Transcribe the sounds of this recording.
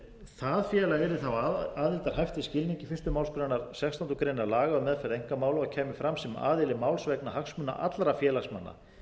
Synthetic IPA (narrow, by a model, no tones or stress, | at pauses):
θaðfjɛːlaɣɛɾɪθawaːðilt̪aɾ̥hajft̪ɪscɪlniɲcɪfɪr̥st̪ʏmawlskɾanaɾ̥sɛkst̪ʰɔnt̪kʰɾeːnːaɾlaːɣaʏmɛðfaɾejŋ̥kamaːwlaacʰɛːmʏfɾamsɛma̰ːðɪlɪmaːwlsvɛknahaksmʏnːa̰ʔa̰t̪lɾafjɛːlasma̰nːa̰